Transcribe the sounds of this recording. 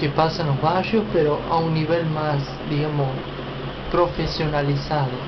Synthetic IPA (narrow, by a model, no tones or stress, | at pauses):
kepasãnozβaʃjohspeɾoʔa̰ũnːiβelmas | d̪iɣamos | pɾofesjonalisaðo